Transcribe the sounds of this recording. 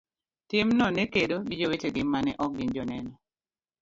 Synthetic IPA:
tɪmnɔnekedoɡɪd͡ʒoweteɡɪmanɛʔɔk̚ɡɪnd͡ʒɔnɛnɔ

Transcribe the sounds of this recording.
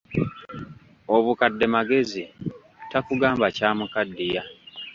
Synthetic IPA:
oβukadːe̞maɡe̞zi | takuɡaːmbacaːmukadːija

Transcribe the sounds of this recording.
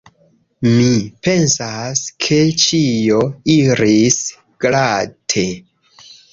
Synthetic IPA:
mipe̞nsaskʰe̞t͡ʃijoiɾis | ɡ̥latʰe̞

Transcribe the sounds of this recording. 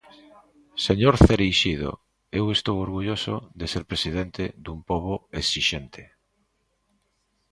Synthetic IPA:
seɲoɾθeɾejʃiðo̰ | ewest̪owoɾɣuʎoso̰ðeseɾpɾesið̞ent̪ed̪umpoβ̞oesiʃent̪ʰe̥

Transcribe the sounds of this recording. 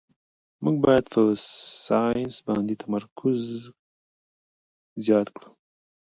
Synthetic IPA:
muɡ̚bɑjad̪pʰəsɑjɪnsbɑnd̪et̪ʰamaɾkʰʊz | jɑt̪kɽu̥

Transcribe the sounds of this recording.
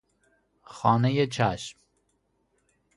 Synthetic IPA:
xɑːnejet͡ʃʰæʃm

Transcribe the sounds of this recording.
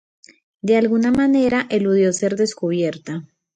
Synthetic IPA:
d̪e̞alɣunamane̞ɾaʔeluðjo̞se̞ɾd̪e̞skuβ̞je̞ɾt̪a

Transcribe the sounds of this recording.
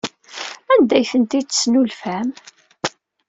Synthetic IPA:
ænd̪æjθənt̪it͡sːə̥snulfæm

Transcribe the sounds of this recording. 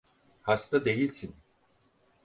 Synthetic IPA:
hast̪ad̪e̞jilʲsin

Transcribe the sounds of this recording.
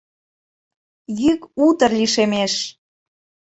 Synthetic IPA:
jykut̪ərliʃemeʃ

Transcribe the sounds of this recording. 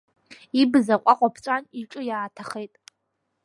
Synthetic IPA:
ibɨzaqʷʼaqʷʼapʰt͡ʃʷʼaniʈ͡ʂʼɨjaːtʰaχejtʼ

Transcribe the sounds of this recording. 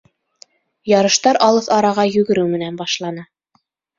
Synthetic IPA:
jɑɾɤ̆ʃt̪ɑɾʔɑlˠɤθɑɾɑʁɑjɵ̆ɡɘ̆ɾɘwmɘ̆nænbɑʃlˠɑnɤ

